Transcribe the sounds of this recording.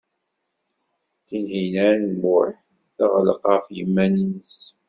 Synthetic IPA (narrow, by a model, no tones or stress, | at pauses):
θinhinæɾnbʊɾ | θaʁələqɑfjəmːæninəs